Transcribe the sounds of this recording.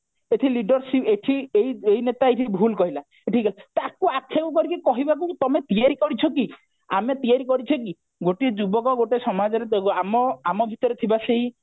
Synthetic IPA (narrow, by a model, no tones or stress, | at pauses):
eʈʰiliɖɔɾsipeʈʰiejejnet̪aeʈʰibʱulkɔɦila | eʈʰiɡalet̪akuakʰːekukɔɾikekɔɦibakut̪ɔmet̪iaɾikɔɾit͡ʃʰɔki | a̰met̪iaɾikɔɾit͡ʃʰɔki | ɡoʈied͡ʒubɔkɔɡoʈesɔmad͡ʒɔɾeamɔamɔbʱit̪ɔɾet̪ʰibaseɦĩ